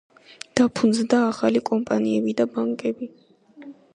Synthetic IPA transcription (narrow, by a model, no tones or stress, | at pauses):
d̪̥apʰund̪zd̪aːχalikʼɔmpʼaniɛbid̪abaŋkʼɛbi